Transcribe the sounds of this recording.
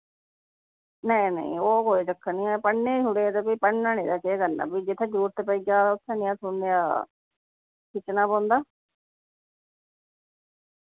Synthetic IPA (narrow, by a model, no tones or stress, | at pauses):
neinḛ̃ĩoːkoːit͡ʃəkʰːəniɛ̃ːpəɳnẽːd͡ʒʊɽeːt̪epiːpəɳnãːnĩːd̪aːkeɡəla̰ːpiːd͡ʒɪt̪ʰːeːd͡ʒuːɾt̪epəiɡaːʊt̪ʰːẽːnĩãːsʰʊnejaː | kʰɪt͡ʃnaːpãːnd̪aː